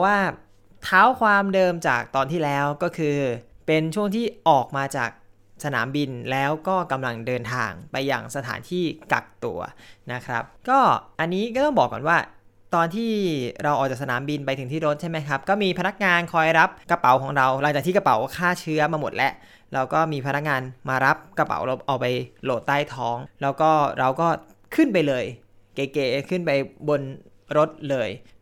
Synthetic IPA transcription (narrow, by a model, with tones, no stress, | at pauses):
waː˥˩ | t̪ʰaː˦˥wkʰwaː˧mdɤː˧mt͡ɕa̰ː˨˩k̚t̪ɔː˧nt̪ʰiː˥˩lɛː˦˥wkɔː˥˩kʰɯː˧pe˧nt͡ɕʰu˥˩əŋt̪ʰiː˥˩ʔɔː˨˩k̚maː˧t͡ɕa̰ː˨˩k̚ | sa˧na̰ː˩˦mbi˧nlɛː˦˥wkɔː˥˩ka˧mla˧ŋdɤː˧nt̪ʰa̰ː˧ŋpa˧jːa̰ː˨˩ŋsa˧t̪ʰa̰ː˩˦nt̪ʰiː˥˩ka̰˨˩k̚t̪ṵ˧ɐna˦˥kʰɾa̰˦˥p̚kɔː˥˩ʔa˧nːiː˦˥kɔː˥˩t̪ɔ˥˩ŋbɔː˨˩kːɔ̰ː˨˩nwaː˥˩ | t̪ɔː˧nt̪ʰiː˥˩ɾa˧wɔː˨˩k̚a˨˩k̚sa˧naː˩˦mbi˧npa˧jt̪ʰɯ˩˦t̪ʰiː˥˩ɾo˦˥t̪̚t͡ɕʰa˥˩jma˦˥jkʰa˦˥p̚kɔː˥˩miː˧pʰa˧na˦˥k̚ŋaː˧nkʰɔː˧jɾa˦˥p̚kɾa˧pa̰˨˩˦wkʰɔː˩˦ŋɾa˧wlŋt͡ɕaː˨˩iː˥˩k̚ɾa˧pa˨˩˦wkʰaː˥˩t͡ɕʰɯ˦˥ɐmaː˧mo˨˩t̪̚lɛ˦˥ʔ | ɾa˧wkɔː˥˩miː˧pʰa˧na˦˥k̚ŋaː˧nmaː˧ɾa˦˥p̚kɾa˧pa̰˨˩˦wlwʔaː˨˧˩pa˧jloː˨˩t̪ːaː˥˩jt̪ʰɔː˦˥ŋlɛː˦˥wkɔː˥˩ɾa˧wkɔː˥˩ | kʰɯ˥˩np̬a˧jlɤː˧j | keː˨˩keː˨˩kʰɯ˥˩npa˧jbo˧n | ɾo˦˥t̪̚lɤː˧j